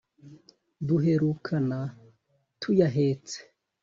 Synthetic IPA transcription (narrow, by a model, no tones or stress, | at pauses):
duɦe̞ɾukʰana | tʰujaɦeːt͡se̥